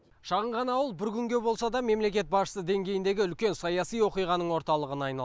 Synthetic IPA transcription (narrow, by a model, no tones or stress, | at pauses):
ʃɑʁəɴʁɑnɑwəlˠbɪɾkʲʰʏŋɡʲe̞bo̞lˠsɑd̪ɑme̞mle̞kʲe̞t̪̚bɑsʃə̥səd̪e̞ŋɡʲe̞jɪnd̪e̞ɡʲɪʏlkʲe̞nsɑjɑsijwo̞qijʁɑnəɴwo̞ɾt̪ɑlˠəʁənɑjnɑlˠ